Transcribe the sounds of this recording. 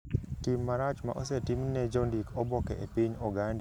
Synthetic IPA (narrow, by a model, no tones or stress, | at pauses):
timːaɾat͡ʃma̰ʔo̰sɛtimnɛd͡ʒɔndikɔbɔkɛʔepiɲɔɡanda